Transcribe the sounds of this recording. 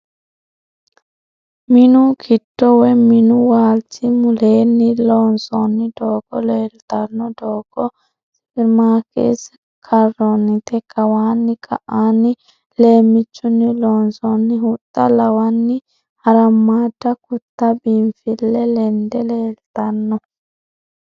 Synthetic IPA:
mɪnʊkʰɪtːɔwɛmɪnʊwaːltɪmʊleːnːɪloːnsɔnːɪd̪oːɡ̥ɔleːlt̪ɐnːɔd̪oːɡ̥ɔ | spɪɾmaːkʰḛs | kʰɐrːɔnːɪt̪ɛkʰɐwaːnːɪkʰɐ̰ʔaːnːɪ | le̞ːmːɪt͡ʃːʊnːɪloːnsɔnːɪɦʊt̪ʼːɐlɐwɐnːɪ | hɐɾɐmːaːdːɐkʊt̪ːɐbiɱfɪlːɛlɛnd̪ɛleːlt̪ɐnːɔ

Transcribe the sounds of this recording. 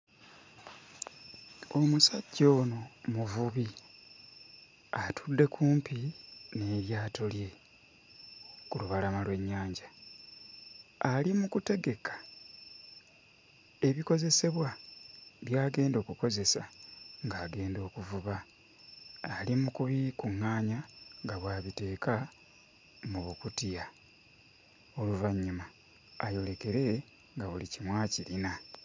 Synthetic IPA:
o̞musaɟːo̞ːnomuvuβi | atʰudːe̞kʰuːmpine̞ːɾjaːtolje̞ | kuluβalamalwe̞ɲːaːɲɟa | limukute̞ɡe̞kʰḁ | e̞βiko̞ze̞se̞βwa | βjaːɡe̞ːndo̞ːkuko̞ze̞saŋɡaːɡe̞ːndo̞ːkuvuβa | limukuβikuŋːaːɲaŋɡaβwaːβite̞ːka | muβukutija | o̞luvaɲːumaː | jo̞le̞ke̞ɾe̞ | ŋɡaβulicimwaːciɾina

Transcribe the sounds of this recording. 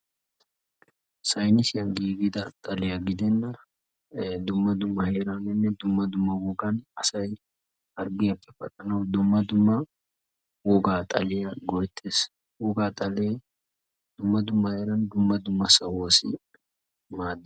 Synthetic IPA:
sɐjnɪsɪjɐnɡiːɡɪd̪ɐt̪ʼɐlɛjɐɡɪd̪ɛnːɐ | d̪ʊmːɐd̪ʊmːɐheːɾɐnɛnːɛd̪ʊmːɐd̪ʊmːɐwɔɡɐnɐsɐj | ɐɾɡɪɐpʼːɛ̥fɐkʼɐnɐwd̪ʊmːɐd̪ʊmːɐ | wɔɡaːt̪ʼɐlɛjɐɡɔjt̪ʰːeːs | wɔɡaːt̪ʼɐle | d̪̥ʊmːɐd̪ʊmːɐhe̞ːɾɐnd̪ʊmːɐd̪ʊmːɐsɐwosɪ | maːd̪ːɪ

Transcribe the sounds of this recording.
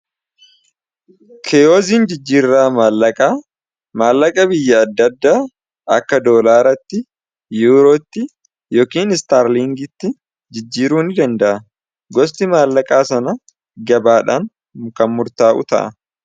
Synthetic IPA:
kʰɛjoːziːnd͡ʒɪd͡ʒːiːɾːaːmalːɐkʼaː | maːlːɐkʼɐbɪjːɐɐd̪ːɐd̪ːaː | ɐ̰kːɐd̪o̞ːlaːɾɐt̪ːɪ | juːɾoːt̪ːɪ | joːkiːnɪst̪aːɾliːŋɡɪt̪ːɪ | d͡ʒɪd͡ʒːiːɾuːnɪd̪ɐnd̪ɐʔɐ | ɡɔst̪ɪmaːlːɐkʼaːsɐnɐ | ɡɐbaːᶑa̰ːŋ | kɐnmʊɾt̪aːʔʊ̰t̪ɐ̰ʔɐ̰

